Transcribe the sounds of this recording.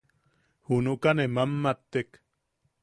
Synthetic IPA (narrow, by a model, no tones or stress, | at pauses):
hunukanemamːat̪ːek